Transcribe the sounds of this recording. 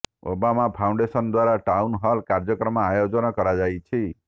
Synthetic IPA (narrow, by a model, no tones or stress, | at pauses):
o̰bamãpʰaũɳɖesənd̪ʋaɾaʈaunɦalkaɾd͡ʒəkɾəmãːjod͡ʒənɔkəɾad͡ʒajt͡ʃʰi